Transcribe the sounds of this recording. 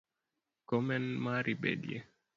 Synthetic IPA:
kɔmɛnmaɾʔibḛdje

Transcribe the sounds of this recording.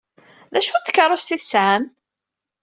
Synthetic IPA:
ðæʃut̪ːə̥kːɑɾˤːʊst̪iθsʕam

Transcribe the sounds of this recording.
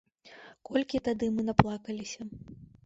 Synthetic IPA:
kɔlʲkʲit̪ad̪ɨmɨnaplˠakɐlʲisʲɐ

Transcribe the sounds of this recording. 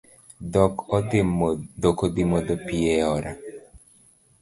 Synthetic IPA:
d̪ɔkɔd̪ɪmd̪ɔkɔd̪imɔd̪ɔpiɛɔɾa̰

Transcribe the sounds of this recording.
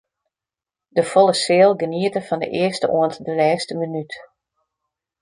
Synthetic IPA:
dəfɔlˠəsɪːlˠɡəniətəfɔndə̰ʔɪəstəʔoəntdəlɛːstəmənyt

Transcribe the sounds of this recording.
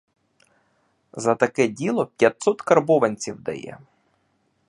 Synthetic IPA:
zɐt̪ɐkɛdʲilˠɔpʲjɐt̪sɔt̪kɐrbɔʋɐnʲt͡sʲiwd̪ɐ̰jɛ̰

